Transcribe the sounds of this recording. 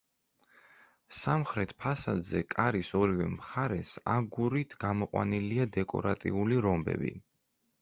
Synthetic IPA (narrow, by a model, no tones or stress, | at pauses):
samχɾɛt̪ʰpʰasad̪zɛkʼaɾisɔɾivɛmχaɾɛsaɡuɾit̪ʰɡ̥amɔqʼwa̰niliad̪ɛkʼɔ̰ɾat̪ʼḭuliɾɔmbɛ̰bḭ